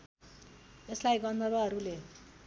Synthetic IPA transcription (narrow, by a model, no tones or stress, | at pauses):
eslajɡʌnd̪ʱʌβʌɦʌɾule